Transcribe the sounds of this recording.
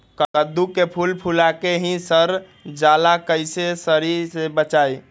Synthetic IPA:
kəkəd̪ukepʰulpʰulakeɦĩsəɾ | d͡ʒalakəjsesəɾiɾsebət͡ʃaj

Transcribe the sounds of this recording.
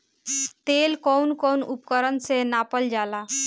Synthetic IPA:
t̪elkɔwnkɔwnupkəɾənsenapəld͡ʒala

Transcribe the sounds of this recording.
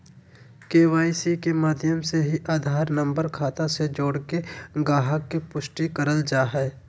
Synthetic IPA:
keːʋaːisikemaːd̪ʱjəmseɦiʔaːd̪ʱaːɾnə̃mbəɾkʰaːt̪ãsed͡ʒoːɽkeɡaːɦəkːepʊʃʈikəɾəld͡ʒaːɦɛ

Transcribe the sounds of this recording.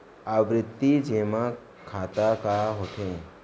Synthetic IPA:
aʋɾɪt̪ːid͡ʒeːma | kʰaːt̪akaɦoːt̪ẽː

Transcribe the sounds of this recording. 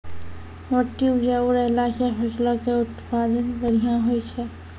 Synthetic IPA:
moʈːiud͡ʒauɾəɦlasapʰəslakeʊt̪pad̪ənbəɾijãɦojt͡ʃʰɛ

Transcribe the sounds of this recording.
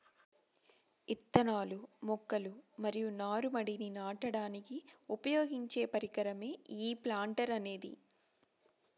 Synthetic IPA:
it̪ːɐnaːlumɔkːɐlumɐɾijunaːɾumɐɽininaːʈɐɽaːnikiupɐjoːɡiɲt͡ʃe̞ːpɐɾikɐɾɐme̞ːiːplaːɳʈɐɾɐne̞ːd̪ḭ

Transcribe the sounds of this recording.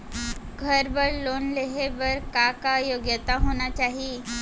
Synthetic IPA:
ɡʱəɾbəɾlonleɦeʋəɾkakajoɡjət̪aɦonat͡ɕaɦiː

